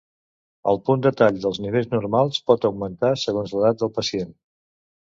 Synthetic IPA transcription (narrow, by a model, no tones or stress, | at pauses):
ə̰lˠpund̪ət̪aʎðəlˠzniβ̞eʎznuɾmalˠspɔt̪əwmənt̪asəɣonzləðat̪̚d̪əlˠpəsien